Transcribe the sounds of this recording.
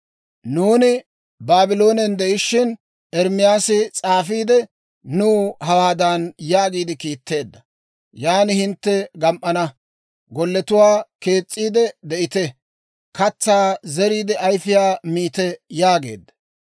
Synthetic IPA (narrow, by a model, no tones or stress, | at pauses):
nuːnɪ | baːbɪlo̞ːnɛnd̪ɛʔɪʃːɪn | ɛɾmɪjaːsɪt͡sʼaːfiːd̪ɛ | nuːhɐwaːd̪anjaːɡiːd̪ɪkiːt̪ːe̞ːd̪ːɐ | jaːnɪhɪnt̪ːɛɡɐmʔɐnɐ | ɡɔlːɛt̪ʊwaːke̞ːt͡sʼːiːd̪ɛd̪ɛʔɪt̪ɛ | kɐt͡sːaːzɛɾiːd̪ɛɐjfɪjaːmiːt̪ɛjaːɡe̞̰ːd̪ːɐ̥